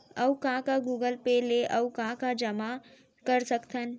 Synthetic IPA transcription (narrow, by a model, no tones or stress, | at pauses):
əwkãkaɡuːɡəlpeleʔəwkãkad͡ʒəma | kəɾsəkt̪ən